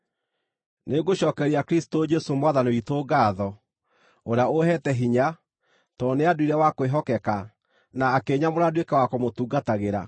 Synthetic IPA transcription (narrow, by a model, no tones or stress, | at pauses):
neɡoɕɔːkɛɾiakɾisi̥tod͡ʒɛsomwaðaneitoɡaːðɔ | oɾeaohɛtɛɦiɲa | tɔːneaduiɾɛwakoeɦɔkɛka | naːkeːɲamoɾadwekɛwakomotuːɡataɣeɾa̰